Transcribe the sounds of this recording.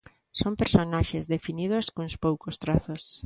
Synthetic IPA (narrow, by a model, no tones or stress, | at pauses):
sompeɾsonaʃezðefinið̞oskõŋspowkost̪ɾaθos